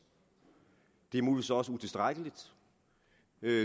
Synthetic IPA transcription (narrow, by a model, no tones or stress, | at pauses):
d̥e̝muːliʋḭːsɒ̽səut͡sʰe̝sd̥ʁaɡ̥əlid̥ | ø